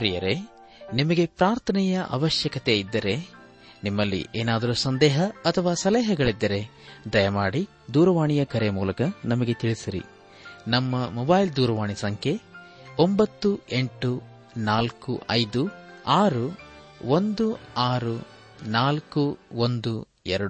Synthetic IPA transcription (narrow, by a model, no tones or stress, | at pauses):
ɾijɐɾe̞ | nimɐɡe̞pɾaːɾt̪ʰɐnɛjɐʔɐ̰ʋɐʃjɐkɐt̪e̞id̪ːɐɾe̞ | nimːɐlːḭʔeːnaːd̪ɐɾusɐnd̪ɛːɦɐɐt̪ʰɐʋaːsɐlɛːɦɐɡɐɭid̪ːɐɾe̞ | d̪ɐjɐmaːɽi | d̪uːɾɐʋaːɳijɐkɐɾemuːlɐkɐnɐmɐɡe̞t̪iɭisiɾḭ | nɐmːɐmɔbɐːjld̪uːɾɐʋaːɳisɐŋkʰe̞ombɐt̪ːue̞ɳʈu | naːlkṵʔɐjd̪uaːɾu | ond̪uaːɾu | naːlkuond̪u | ɛɾɐɽu